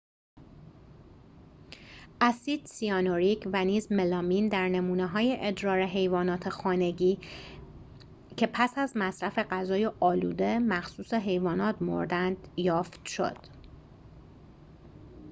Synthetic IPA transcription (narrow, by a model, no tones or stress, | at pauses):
ʔæsiːd̪̥siɒːnoɾicʰvæniːzme̞lɒːmind̪æɾne̞muːneɦɒːjeʔed̪ɾɒːɾe̞ɦe̞jvɒːnɒːt̪ʰexɒːne̞ɟiː | cʰe̞pʰæsæzmæsɾæfeɢæzɒːjeʔɒːlṵːd̪e̞mæxsuːseɦe̞jvɒːnɒːt̪ʰmo̞̰ɾd̪ænd̪̥jɒːft̪ʃo̞̰d̪̥